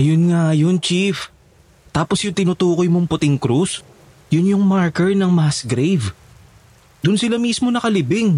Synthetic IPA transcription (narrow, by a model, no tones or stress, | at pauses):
ʔɐjonŋajont͡ʃif | t̪aːposjʊŋt̪ɪnʊt̪uːkojmoŋpʊt̪ɪŋkɾus | jʊnjʊŋmaɹkɛɹnɐŋmasɡɾejv | d̪̥ʊnsɪlamismo̞nɐkɐlɪbɪŋ